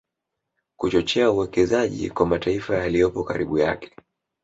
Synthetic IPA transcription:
kut͡ʃɔt͡ʃɛauwɛkɛzaʄḭkwamataifajalijɔpɔkaɾiɓuja̰kɛ̥

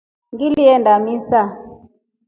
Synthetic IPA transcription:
ŋɡiliɛndamisa

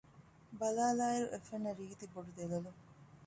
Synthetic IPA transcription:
bɐlaːlaːiɾuʔefenːɐɾiːt̪iboɖud̪elɐlu

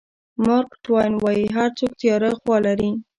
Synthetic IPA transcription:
mʊɾkʈwajnwɑjiɦaɾt͡sokt̪jɑɾəxwɑlaɾi

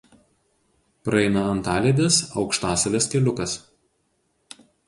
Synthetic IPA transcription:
pɾɐɛɪnɐɐnt̪ɑːlʲeːd̪ʲesɒʊkʃt̪ɑːsɐʋʲeskʲɛlʲʊkɐs

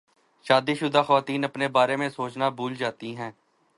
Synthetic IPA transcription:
ʃaːd̪iːʃʊd̪aːxəʋaːt̪iːnəpneːbaːɾeːmẽsoːt͡ʃnaːbʱuːld͡ʒaːt̪iɦɛ̃ː

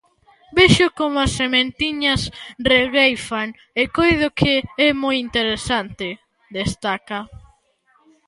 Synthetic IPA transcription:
beʃʊkomasːemẽnt̪iɲɐsreɣejfaŋ | ekojðʊkʰɪɛmojint̪eɾesant̪ɪ | d̪est̪akɐ

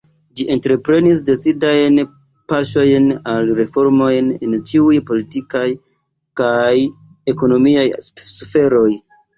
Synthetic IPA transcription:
d͡ʒiʔe̞ntɾe̞pɾe̞nis̬de̞t͡sidajn | paʃo̞jnalɾe̞fo̞ɾmo̞jne̞̰nt͡ʃiujpo̞litikaj | kaj | e̞ko̞no̞miajsfe̞ɾo̞j

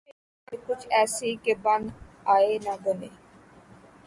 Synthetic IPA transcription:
ekʊt͡ʃʰɛːsiːkeband̪ | aːeːnãːbəneː

